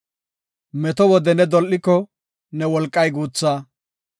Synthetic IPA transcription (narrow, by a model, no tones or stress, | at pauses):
mɛt̪ɔwɔd̪ɛnɛd̪ɔlʔːɪkːɔ | nɛwɔlkʼːɐjɡuːt͡sːaː